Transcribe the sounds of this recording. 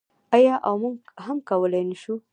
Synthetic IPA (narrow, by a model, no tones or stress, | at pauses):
ajɑʔawmuɡɦamkawəlajnaʃu